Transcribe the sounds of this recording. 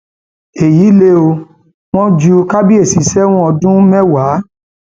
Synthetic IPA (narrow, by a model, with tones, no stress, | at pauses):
e˨ji˨˦le˦o˧ | w̃ɔ̃˦d͡ʒu˦ka˦bi˦e˦˨si˨˦sɛ˦w̃ɔ̃˦ɔ˧dũ˦mɛ̃˦wa˨˦